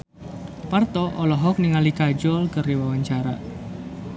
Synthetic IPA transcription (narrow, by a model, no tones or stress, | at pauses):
part̪ɔʔɔlɔɦɔk̚niŋalikad͡ʒɔlkəriwawaɲt͡ʃaɾa̰